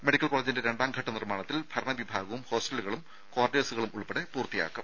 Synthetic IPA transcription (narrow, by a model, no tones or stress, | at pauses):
meɽikːɐlkoɭːleːd͡ʑinde̞ɾe̞ɳɖaːmɡʱɐʈːɐnirmaːɳɐt̪ːilb̥ʱɐɾɐɳɐʋibʱaːɣɐʋumho̞ːsʈelːuɣɐɭum | koːrɖesuɣɐɭumuɭpeɽepuːrt̪ija̰ːkːɐm